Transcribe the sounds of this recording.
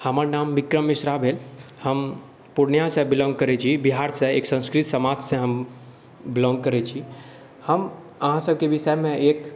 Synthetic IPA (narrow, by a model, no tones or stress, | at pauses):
həməɾnamːikɾəmːisɾabʱelhəm | puɾnjasẽbilɔ̃ŋɡ̚kəɾɛt͡ʃʰibiɦaɾsẽeksə̃ñskɾit̪səmad͡ʒsẽɦəm | bɪlɔ̃ŋɡkəɾɛt͡ʃʰi | həm | əɦãsəbʱkebisɛmẽek